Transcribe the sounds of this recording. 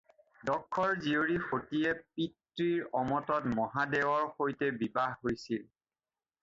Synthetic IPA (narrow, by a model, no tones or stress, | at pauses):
dɔkʰːɔɹzioɹixotiɛpitɹiɹɔmɔtɔtmɔɦadɛwɔɹxojtɛbibaɦɦojsil